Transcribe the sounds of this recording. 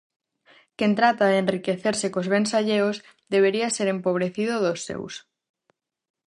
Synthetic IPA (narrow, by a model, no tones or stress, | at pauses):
kent̪ɾat̪aðenrikeθeɾsekozβensaʎeoz | ðeβ̞eɾiaseɾempoβ̞ɾeθið̞oðosːḛws